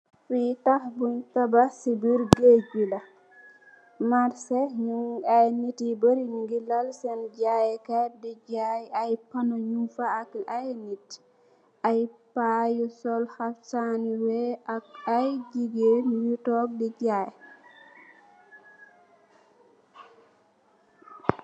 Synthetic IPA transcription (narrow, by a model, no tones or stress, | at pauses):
fitahbuntabasibiɾɡeɡila | maɾsɛɲuajnitibəɾiɲuŋɡilalsɛnɟajɛkadiɟajajpanoɲufaːkajnit | ʔajpajusɔlhafsaniwɛaajd͡ʒiɡenujutɔk̚did͡ʒaj